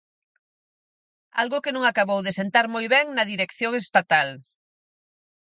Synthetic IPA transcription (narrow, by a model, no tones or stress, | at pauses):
a̰lɣʊkenũŋakaβowðesent̪aɾmojβɛŋnɐðiɾekθjoŋest̪at̪al